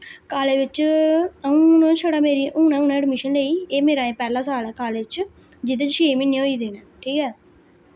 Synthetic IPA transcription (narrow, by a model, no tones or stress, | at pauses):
kaːleːʋɪt͡ʃ | ũːñːt͡ʃʰəɽaːmeːɾiːʔũːnãːuːnɛ̃ːɛɖmɪʃənleːiːeːmeːɾaːẽːpɛːlãːsaːlɛːkaːleːɪt͡ʃ | d͡ʒɪt̪et͡ʃʃeːmɪ̃niːɦoːiːd̪eːnɛːʈʰiːkɛː